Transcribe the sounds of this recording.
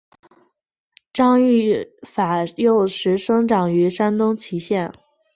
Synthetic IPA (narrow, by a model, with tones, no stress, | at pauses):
ʈ͡ʂɑ˥˧ŋy˥˩fa˨˩jo˥˩ʊʂɻ̩˧˥ʂɤ˥ŋʈ͡ʂɑ˨˩ŋy˧˥ʂa˥nt̪ʊ˥ŋt͡ɕʰi˧˥ɕjɛ˥˩n